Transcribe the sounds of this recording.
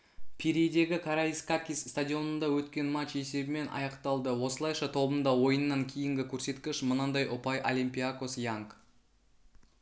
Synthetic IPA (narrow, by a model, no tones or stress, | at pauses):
pʰiɾʲejd̪e̞ɡʲɪkʰaɾaiskakʲisst̪adʲio̞nənd̪ɑwɵt̪kʲe̞nmat͡ʃe̞se̞bɪme̞nʔɑ̰jɑqt̪ɑlˠd̪əwo̞səlˠɑjʃɑt̪ʰo̞bənd̪ɑwo̞jənːɑŋkʲʰejɪŋɡʲɪkʲʰɵɾse̞t̪kʲɪʃmənɑnd̪ɑjʔʊpɑjʔolʲimʲpʲiako̞sjaŋk